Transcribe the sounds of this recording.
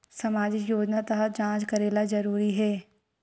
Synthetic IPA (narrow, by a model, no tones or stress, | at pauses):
sɐmaːd͡ʒɪkjoːd͡ʒnat̪ɐɦəd͡ʒãːt͡ʃkɐɾeːlazɐɾuːɾiɦɛː